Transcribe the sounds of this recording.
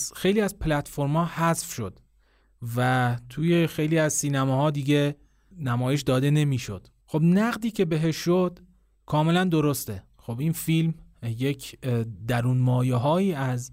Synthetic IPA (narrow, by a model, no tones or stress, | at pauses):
xe̞jliːæzpʰlæt̪fo̞ɾmɒːhæzfʃo̞d̪̥ | væt̪ʰuːjexe̞jliːæzsiːnæmɒːhɒːd̪iːɡe | næmɒːjeʃd̪ɒːd̪e̞ne̞miːʃo̞d̪̥ | xobnæɣd̪iːcʰe̞be̞ɦeʃːod̪̥ | kʰɒːme̞lænd̪o̞ɾost̪e | xo̞binfilmjecʰd̪æɾuːnmɒːjeɦɒːiːæz